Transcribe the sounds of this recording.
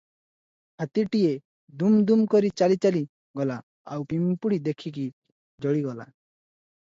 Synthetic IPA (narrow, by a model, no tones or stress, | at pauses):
at̪iʈije | d̪umd̪umkɔɾit͡ʃalit͡ʃali | ɡɔla | awpimpuɽid̪ekʰik̬i | d͡ʒɔɽiɡɔla̰